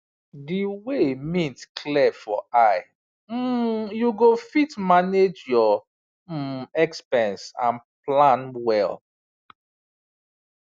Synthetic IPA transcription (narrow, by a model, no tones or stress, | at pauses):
diwemĩtkʰlɛfɔaɪ | m̩juɡofitmaned͡ʒjɔ | ɛkspɛ̃nsã̰nplãnwɛl